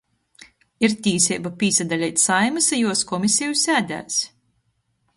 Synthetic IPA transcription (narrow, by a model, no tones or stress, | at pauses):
iɾt̪ʲiːsʲɛjbapʲiːsad̪alʲɛjt̪ʲsajmɨsajuɔskɔmʲisʲɛjusæːd̪ʲæ̰ːs